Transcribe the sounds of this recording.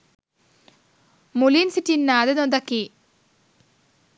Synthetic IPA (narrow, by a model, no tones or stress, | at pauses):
mulinsitːinːaːd̪enond̪ɐkːi